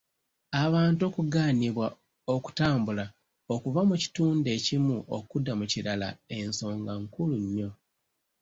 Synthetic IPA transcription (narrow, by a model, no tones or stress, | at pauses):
aβaːnto̞ːkuɡaːniβwa | o̞ku̥taːmbula | okuvamuci̥tuːnde̞cimuʔo̰kudːamuciɾala̰e̞nso̞ːŋɡaŋkuluɲːo̞